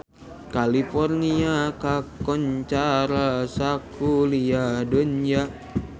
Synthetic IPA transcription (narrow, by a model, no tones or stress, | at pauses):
kalifɔrniakakɔɲt͡ʃaɾasakuliadond͡ʒa